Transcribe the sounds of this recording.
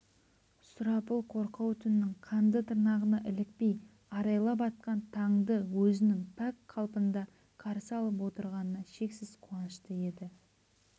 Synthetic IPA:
sʊɾɑpəlˠqʰo̞ɾqɑwt̪ʰʏnɪnɪɴqʰɑnd̪ət̪ʰəɾnɑʁənɑʔɪlɪk̚pe̞j | ɑɾɑjlˠɑp̬ɑt̪̚qɑnt̪ʰɑŋd̪əwɵzɪnɪŋp̪ʰækqʰɑlˠpənd̪ɑ | qʰɑɾsɑlˠəpwo̞t̪əɾʁɑnənɑʃe̞ksɪz̥qʰuɑnəʃt̪əe̞d̪ɪ

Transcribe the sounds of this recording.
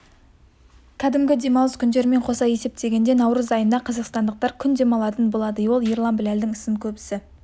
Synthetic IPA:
kʲʰæd̪ɪmɡʲɪd̪e̞mɑw̪ˠəskʲʰʏnd̪e̞ɾɪme̞ɴqʰo̞sɑje̞se̞p̚t̪e̞ɡʲe̞nd̪e̞nɑwɾəzɑjənd̪ɑqʰɑzəqst̪ɑnd̪əq̚t̪ɑɾkʲʰʏnd̪e̞mɑlˠɑt̪ənbo̞lˠɑd̪əwo̞lˠiɾlˠɑnbɪlæld̪ɪŋɪsɪŋkʲʰɵbɪsɪ

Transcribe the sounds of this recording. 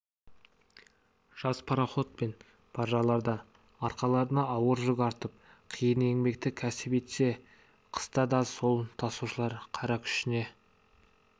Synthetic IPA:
ʒ̥ɑspʰɑɾaχo̞t̪̚pe̞n | pʰɑʒɑlˠɑɾd̪ɑ | ɑɾqɑlˠɑɾənɑɑwəɾʒʏɡʲɑɾt̪əp̚ | qʰijəne̞ŋme̞kt̪ɪkʲʰæsɪpe̞t̪se̞ | qʰə̥st̪ɑd̪ɑso̞lˠt̪ʰɑsuʃəlˠɑɾqʰɑɾɑkʲʰʏ̥ʃɪne̞

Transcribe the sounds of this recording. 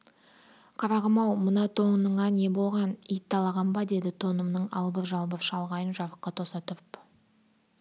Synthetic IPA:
qʰɑɾɑʁəmɑwmənɑt̪ʰo̞ɴənəɴɑne̞bo̞lˠʁɑnijt̪ːɑlˠɑʁɑmbɑd̪e̞d̪ɪt̪ʰo̞nəmnəɴɑ̰lˠbəɾʒɑlˠbəɾʃɑlˠʁɑjənʒɑɾəqːɑt̪ʰo̞sɑt̪əɾp

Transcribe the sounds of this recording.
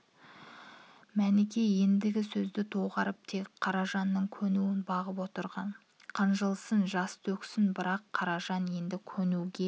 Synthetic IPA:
mænɪkʲe̞je̞nd̪ɪɡʲɪsɵzd̪ɪt̪ʰoʁɑɾəp̚t̪ʰe̞kqʰɑɾɑʒɑnːəɴkʲʰɵnuwɪnbɑʁəp̬wo̞t̪əɾʁɑn | qʰənʒəlˠsənʒɑst̪ʰɵksɪnbɪɾɑqʰːɑɾɑʒɑnje̞nd̪ɪkʲʰɵnuɡʲe̞

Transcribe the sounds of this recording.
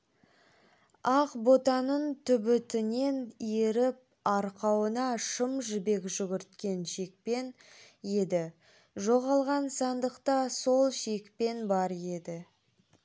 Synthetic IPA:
ɑqbot̪ɑnənt̪ʰʏbɪt̪ɪne̞nje̞ɾɪp̚ | ɑɾqɑwənɑʃəmʒʏbe̞kʒʏɡʲɪɾt̪kʲe̞nʃe̞k̚pe̞n | je̞d̪ɪ | ʒo̞ʁɑlˠʁɑnsɑnd̪əqt̪ɑso̞lˠʃekpe̞nbɑɾje̞d̪ɪ

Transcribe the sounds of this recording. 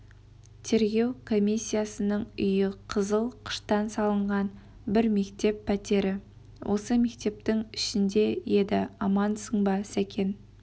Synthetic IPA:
t̪ʰe̞ɾɡʲe̞wkʰo̞mʲijsʲːijasənəɴʏjɪqʰəzəlˠqʰə̥ʃt̪ɑnsɑlˠəɴʁɑn | bɪɾme̞kt̪e̞pʰːæt̪e̞ɾɪ | wʔo̞səme̞k̚t̪e̞p̚t̪ɪŋɪʃɪnd̪e̞je̞d̪ɪ̰ɑmɑnsəɴbɑsækʲʰe̞n

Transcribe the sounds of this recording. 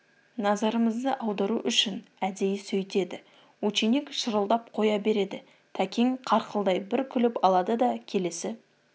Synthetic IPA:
nɑzɑɾəməzd̪əʔɑwd̪ɑɾuʔʏʃɪnæd̪e̞jɪsɵjt̪e̞d̪ɪ | wɵt͡ʃinekʃəɾəlˠd̪ɑp̚qʰo̞jɑbe̞ɾe̞d̪ɪ | t̪ʰækʲeŋqʰɑɾqəlˠd̪ɑjbɪɾkʲʰʏlɪpɑlˠɑd̪əd̪ɑkʲʰe̞le̞sɪ

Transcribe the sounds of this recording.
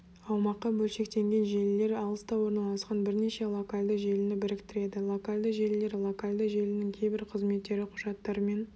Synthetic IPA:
ɑwmɑqːɑbɵlʃe̞k̚t̪e̞ŋɡʲe̞nʒe̞lɪːe̞ɾɑlˠəst̪ɑwo̞ɾnɑlˠɑsqɑnbɪɾneʃe̞lˠo̞kalʲd̪əʒe̞lɪnɪbɪɾɪkt̪ɪɾe̞d̪ɪlˠo̞kalʲd̪əʒelːe̞ɾlˠokalʲd̪əʒe̞lɪnɪŋkʲʰe̞jbɪɾqʰəzme̞t̪ːe̞ɾɪqʰʊʒɑt̪ːɑɾəme̞n

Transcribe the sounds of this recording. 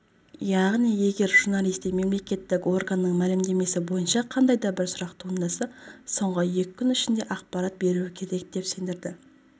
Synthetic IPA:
jɑʁnije̞ɡʲe̞ɾʒ̥uɾnalˠijst̪ejme̞mle̞kʲe̞t̪ːɪko̞rɡanːəɴmælɪmd̪e̞me̞sɪbo̞jənʃɑqʰɑnd̪ɑjd̪ɑbɪɾsʊɾɑqt̪ʰund̪ɑsɑso̞ɴʁəje̞kʲɪkʰʲːʏnɪʃɪnd̪e̞ʔɑqpɑɾat̪̚be̞ɾuwɪkʲʰe̞ɾe̞k̚d̪e̞pse̞nd̪ɪɾd̪ɪ

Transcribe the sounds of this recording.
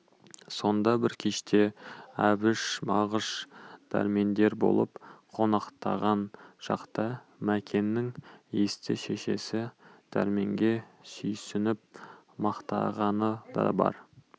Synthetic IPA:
so̞nd̪ɑbɪɾkʲʰeʃt̪ʰe̞æbɪʃmɑʁəʃd̪̥ʰæ̰ɾme̞nd̪e̞ɾbo̞̰lˠəpqʰo̞nɑqt̪ɑ̰ʁɑnʒ̥ɑ̰qt̪ɑ | mækʲʰe̞nːɪŋjest̪ɪʃe̞ʃe̞̰sɪd̪̥ʰæ̰ɾme̞ŋɡʲe̞sʏjsɪnɪp̚ | mɑqt̪ɑ̰ʁɑnəd̪ɑ̰bɑ̰ɾ

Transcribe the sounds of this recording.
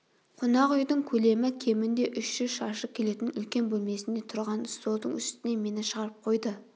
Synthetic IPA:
qʰʊnɑʁʏjd̪ɪŋkʲʰɵle̞mɪkʲʰe̞mɪnd̪e̞ʔʏʃʃʏzʃɑʃəkʲʰe̞le̞t̪ɪnʏlkʲe̞nbɵlme̞sɪnd̪e̞t̪ʰʊɾʁɑnst̪o̞lˠd̪əɴʏ̰st̪ɪne̞me̞nɪʃəʁɑɾəp̚qʰo̞jd̪ə

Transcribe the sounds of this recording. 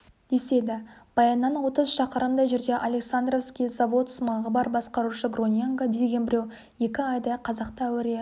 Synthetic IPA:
d̪̥e̞se̞d̪ɪb̥ɑjɑnːɑnwo̞t̪əzʃɑqəɾəmd̪ɑʒeɾd̪e̞ʔalʲe̞ksand̪rofskʲijzavo̞t̪smɑʁəbɑɾbɑsqɑɾuʃəɡro̞nʲjeŋɡad̪e̞ɡʲe̞nbɪɾe̞w | je̞kʲɪɑjd̪ɑqʰɑzɑqt̪əːwɪɾe

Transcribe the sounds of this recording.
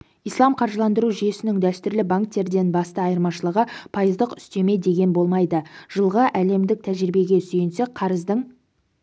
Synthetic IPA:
ijslˠɑmqʰɑɾʒəlˠɑnd̪əɾuʒije̞sɪnɪŋd̪æst̪ʏɾlɪbaŋk̚t̪ːe̞ɾd̪e̞nbɑst̪əɑjəɾmɑʃəlˠəʁəpʰɑjəzd̪əqʏ̥st̪e̞me̞d̪e̞ɡʲe̞nbo̞lˠmɑjd̪əʒ̥əlˠʁəʔæle̞md̪ɪk̚t̪ʰæʒɾɪbe̞ɡʲe̞syjɪnse̞kqʰɑɾəzd̪əɴ

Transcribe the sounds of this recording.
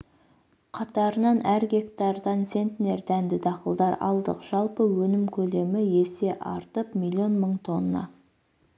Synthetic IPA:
qʰɑt̪ɑɾənɑnæɾɡʲe̞kt̪ɑɾd̪ɑnse̞nt̪ne̞ɾd̪ænd̪ɪd̪ɑqəlˠd̪ɑɾɑ̰lˠd̪ə̰qʒ̥ɑlˠpəwɵnɪmkʲʰɵle̞mɪje̞se̞ʔɑ̰ɾt̪əpmilʲˠːio̞nməɴt̪ʰo̞nːɑ̰

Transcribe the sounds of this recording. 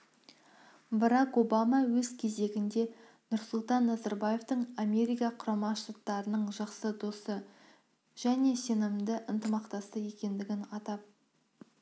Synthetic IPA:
bɑɾɑko̞bɑmɑwɵzkʲʰe̞ze̞ɡʲɪnd̪e̞ | nʊɾsʊlˠt̪ɑnːɑzɑɾbaje̞ft̪əɴamʲe̞ɾʲijkɑqʰʊɾɑmɑʃt̪at̪ːɑɾənəɴʒɑqsəd̪osə | ʒ̥æne̞se̞nɪmd̪ɪʔɪnt̪əmɑqt̪ɑst̪əje̞kʲe̞nd̪ɪɡʲɪnɑt̪ɑp̚

